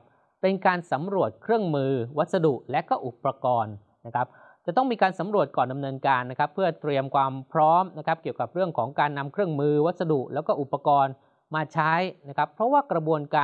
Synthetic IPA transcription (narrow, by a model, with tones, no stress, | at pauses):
pe˧nkaː˧nsa˩˦mɾu˨˩ət̪̚kʰɾɯ˥˩əŋmɯː˧wa˦˥t̪̚sa˧du˨˩ʔlɛ˦˥ʔkɔː˥˩ʔu˨˩pːɾa˧kɔː˧nː | a˦˥kʰa˦˥p̚ | t͡ɕa˨˩t̪ɔ˥˩ŋmiː˧kaː˧nsa˩˦mɾu˨˩ət̪̚kɔː˨˩nda˧mnɤː˧nkaː˧nːa˦˥kʰa˦˥pʰːɯ˥˩ət̪ɾi˧əmkʰwaː˧mpʰɾɔː˦˥mna˦˥kʰa˦˥p̚ki˨˩əwka˨˩p̚ɾɯ˥˩əŋkʰɔː˩˦ŋkaː˧nːa˧mkʰɾɯ˥˩əŋmɯː˧wa˦˥t̪̚sa˧du˨˩ʔlɛː˦˥wkɔː˥˩ʔu˨˩pːa˧kɔː˧n | maː˧t͡ɕʰa˦˥jna˦˥kʰa˦˥pʰːɾɔ˦˥waː˥˩kɾa˧bu˧ənkaː˧